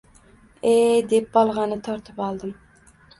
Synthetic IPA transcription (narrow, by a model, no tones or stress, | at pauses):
ed̪ep̚bɑlˠʁɑnɨt̪ʰɑɾt̪ʰɨpɑlˠd̪ɨm